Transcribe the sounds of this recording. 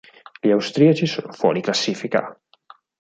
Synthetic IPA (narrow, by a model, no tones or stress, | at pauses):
ʎiawst̪ɾiat͡ʃisoːnofwɔ̰ɾiklasːifika̰